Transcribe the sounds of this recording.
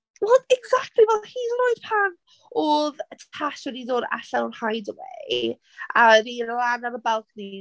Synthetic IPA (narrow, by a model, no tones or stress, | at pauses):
wɛlˠɛɡzak̚tʰlivɛlˠhiznojd̥pʰan | oːðətʰaʃwɛdidoːda̰ɬawnhajdəwɛ̰i | aɾilanaɾəbɛlˠkni